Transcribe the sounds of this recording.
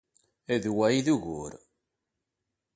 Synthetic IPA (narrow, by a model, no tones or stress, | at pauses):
æðwæjiðuʝʊ̰ɾ